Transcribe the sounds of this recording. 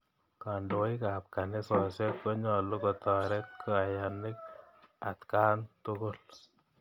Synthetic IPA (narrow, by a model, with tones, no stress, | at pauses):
ka˨ndo˨ikap̚kanɪ˦sɔ˨sɛ˦t̚ko˦ɲɔ˨lu˦kɔ˨t̪ɔ˨ɾɛ˦t̪̚kʰo˨a˨ja˨nɪ˦k̚ | a̰˨t̪ka˦ntʊ˦ko˦l